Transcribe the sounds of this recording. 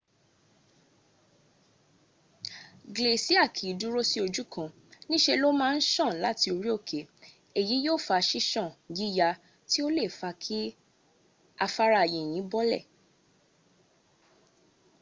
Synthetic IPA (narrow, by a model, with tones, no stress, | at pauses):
ɡle˨si˦a˦˨kʰi˨˦du˦ɾo˦si˦o˧d͡ʒu˦kã˧ | nĩ˦ʃe˧lo˦mãː˦˧n̩˦ʃã˦˨la˨˦ti˧o˧ɾi˦o˦˨kʰe˨˦ | e˨ji˨˦jo˦˨fa˧˨˧ʃi˦ʃɔ̃˦˨ɡi˦˨ja˧ | ti˦o˦le˦˨fa˧kʰi˦ | a˧fa˦ɾa˧˨je˨j̃ĩ˨˦bɔ˦lɛ̰˦˨